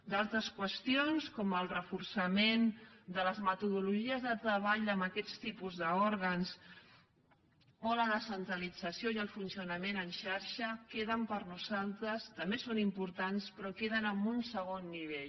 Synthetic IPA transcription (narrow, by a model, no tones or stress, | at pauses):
d̪alˠt̪ɾəskwəst̪ionskɔməlˠrəfuɾsəmend̪ələzmət̪uðuluʒiəzðət̪ɾəβ̞aʎəmbəkɛt͡st̪ipuzðəoɾɣəns | ɔləðəsənt̪ɾəlid͡zəsjoiəlˠfunsiunəmenənʃaɾʃəkeðəmpəɾnuzalˠt̪ɾəst̪əmbesonimpuɾt̪anspɾɔkeðənəmbunsəɣ̞onːiβ̞eʎ